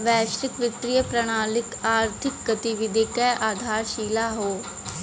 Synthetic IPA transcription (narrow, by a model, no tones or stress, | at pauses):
ʋɛːʃɾɪkʋɪt̪ɾijəpɾɐɽ̃aːlɪkaːɾt̪ʰɪk̚ɡɐt̪iʋɪd̪ʱikɛʔaːd̪ʱaːɾʃiːlaɦoː